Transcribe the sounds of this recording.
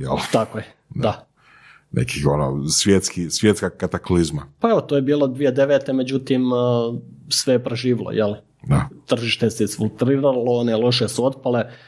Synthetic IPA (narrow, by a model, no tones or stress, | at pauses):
jɛlt̪akoje | d̪a | nḛkixono̰sʋjet̪skisʋjet̪skakat̪aklizma̰pae̞ʋot̪ojebiːlod̪ʋijed̪e̞ʋet̪eme̞d͡ʑut̪im | sʋe̞jepɾeʒiːʋilˠo̰jʔel | d̪at̪r̩ʒiːʃt̪eseizfilˠt̪ɾiːɾalˠoonelˠo̞ʃesuo̞d̪pale